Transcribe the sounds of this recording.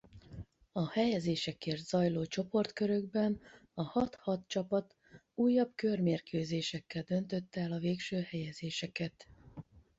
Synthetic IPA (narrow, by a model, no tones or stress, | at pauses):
ɒhɛjɛzeːʃɛkeːrt̪z̥ɒjloːt͡ʃo̞po̞rt̪køɾø̞ɡbɛnɒhɒt̪hɒt̪t͡ʃɒpɒt̪ | uːjːɒbkø̞rmeːrkøːzeːʃɛkːɛld̪ø̞nt̪ø̞t̪ːɛlɒveːkʃøːhɛjɛzeːʃɛkɛt̪